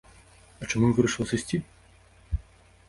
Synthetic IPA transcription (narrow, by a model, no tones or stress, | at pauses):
ɐt͡ʂamuvɨɾɐʂɨlˠɐsɨsʲt͡sʲi